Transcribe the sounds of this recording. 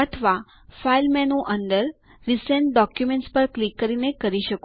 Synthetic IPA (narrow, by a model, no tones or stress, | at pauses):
ət̪ʰʋa | failmɛnũʔənd̪əɾ | ɾisə̃ɳʈ̚ɖɔkjumẽɳʈspəɾklikːəɾinekəɾiʃək